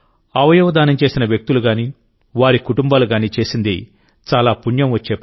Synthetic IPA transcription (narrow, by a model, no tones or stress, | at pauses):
ɐʋɐjɔːʋɐd̪aːnɐmt͡ʃe̞ːsinɐʋjɐk̚t̪uluɡaːniː | ʋaːɾikuʈumbaːluɡaːniːt͡ʃe̞ːsind̪i | t͡ʃaːlaːpunjɐmʋɐt͡ʃːeːp